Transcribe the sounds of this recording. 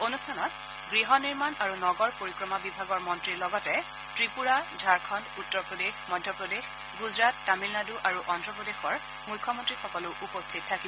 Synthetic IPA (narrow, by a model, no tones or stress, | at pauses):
onustʰanɔt̚ | ɡɹiɦɔniɹmanaɹunɔɡɔɹpoɹikɹɔmabibʱaɡɔɹmɔntɹiɹlɔɡɔtɛ | tɹipuɹadʱaɹkʰɔndutːɔɹpɹɔdexmɔjdʱjɔpɹɔdex | ɡuzɹatːamilnaduʔaɹuʔɔndɹɔpɹɔdexɔɹ | mukʰːɔmɔntɹixɔkɔlʊʔupɔstʰit̚tʰːakibɔ